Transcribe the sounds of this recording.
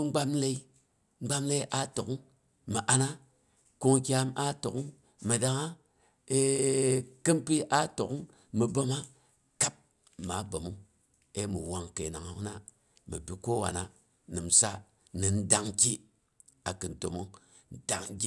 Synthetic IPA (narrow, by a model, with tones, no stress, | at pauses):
ŋ͡mɡ͡ba˦mle˦i˦ | ŋ͡m̩˦ɡ͡ba˦mle˦i˦ʔa˦to˨ku˦ŋ | mə˨ʔa˧na˦ | ko˦ŋki˦a˧ma˦to˨kŋ | mə˨da˨ŋa˦ | e˦ | kɨ˦mpi˦ʔa˦to˨kŋ | mə˨bo˦ma˦ | ka˦p̚ | ma˨˦bo˨mu˦ | e˦mu˨wa˨ŋke˨na˨ŋo˨kna˦ | mɨ˨bi˨ko˦wa̰˨na˦ | nɨ˨m̩˨sa˦ | nɨ˨n̩˦da˨ŋki˦ | a˨kɨ˨n˨to˨mo˦ŋ | n̩˦da˨ŋ˦ɡi˦